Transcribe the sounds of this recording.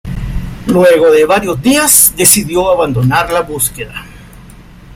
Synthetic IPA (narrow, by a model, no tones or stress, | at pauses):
lweɣo̞ðe̞βaɾjo̞zd̪iasd̪e̞siðjoaβand̪o̞naɾlaβuskeða̰